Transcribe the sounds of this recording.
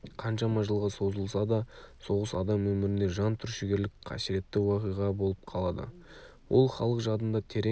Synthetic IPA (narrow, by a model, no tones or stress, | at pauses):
qʰɑnʃɑmɑʒəlˠʁɑso̞zəlˠsɑd̪ɑso̞ʁəsɑd̪ɑmwɵmɪɾɪne̞ʒɑnt̪ʰʏɾʃɪɡʲe̞ɾlɪkqʰɑ̰sɪɾe̞t̪ːɪwɑqijʁɑbo̞lˠəp̚qʰɑlˠɑd̪ə̰ | wʔo̞̰lˠχɑ̰lˠəqʒɑd̪ənd̪ɑt̪ʰe̞ɾe